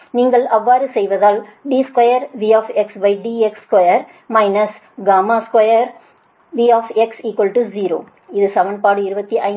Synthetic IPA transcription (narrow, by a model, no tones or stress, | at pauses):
niːŋɡɐɭɐʋːaːɾɯsɛjʋɐðaːlɖiːskwɐjɐɾʋiːaːfɛksbɐɪɖiːɛkskɐjɐɾ | mɐɪnɐs | ɡaːmaːskwɐjɐɾ | ʋiːaːfɛksiːkʋɐlʈuziːɾo̰ː | ɪðɯsɐʋɐɳpaːɽɯɪɾɯbɐt̪ːiʔɐɪ